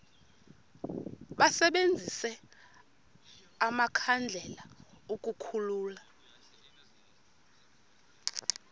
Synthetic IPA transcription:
ɓasɛɓend͡zʱisɛ | amakʰand͡ɮʱɛla | uk̬ʼukʰuluːla

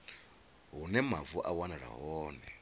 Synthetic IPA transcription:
ɦunɛmavuʔawanaɺa̰ɦɔːnɛ

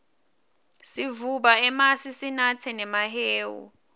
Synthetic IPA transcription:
sivuɓaɛmasisinat͡sʰɛnɛmaɦeːwṵ

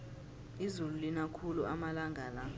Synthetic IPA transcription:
izululinakʰuluʔamalaŋɡʱala

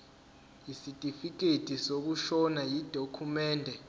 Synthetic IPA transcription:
jisitʼifik̬ʼetʰʼisok̬uʃɔnajid̥ʱokʰumɛːndʱɛ

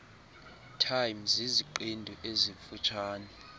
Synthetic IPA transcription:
tʰajmziziǃindʱɔʔeziɱfut͡ʃʰaːnɛ

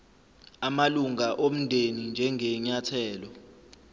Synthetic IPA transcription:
amaluŋaʔom̩ndʱenind͡ʒʱɛŋɛɲatʰɛːlɔ

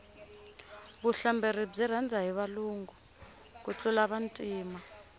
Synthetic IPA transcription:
βuɬambʱerib͡ʐirand͡zʱaɦiβaluːŋɡʱu | k̬ut͡ɬʼulaɓantʼiːma

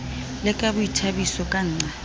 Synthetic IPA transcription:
lɪkʼabʊitʰabisɔkʼan̩ːŋ͡ǀa

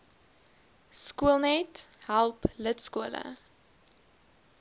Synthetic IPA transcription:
skuəlˠnɛtɦælˠplətskuələ̰

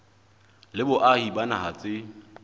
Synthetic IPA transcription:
lɪbʊʔahibanaɦat͡sʼɪ

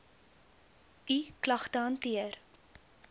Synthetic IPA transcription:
iklɐχtəɦɐntiər

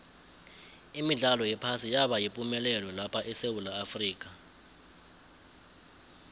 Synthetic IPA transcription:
imiɮalɔjɛpʰasijaɓajipʼumɛlɛlɛlapʰaʔɛsewulaːfriːk̬ʼa

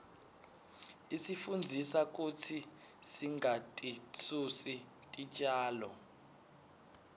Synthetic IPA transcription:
isifund͡zʱisak̬utʰi | siŋatʼit͡sʰusi | tʼit͡ʃʼaːlɔ̰

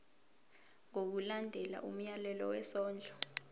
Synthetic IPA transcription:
ŋok̬ulandʱɛla̰ʔum̩jalɛlɔwɛsɔːnd͡ɮʱɔ

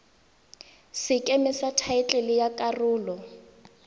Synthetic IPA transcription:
sɪkʼemɪsatʰaɪt͡ɬʼɛlɪjakʼarʊːlɔ

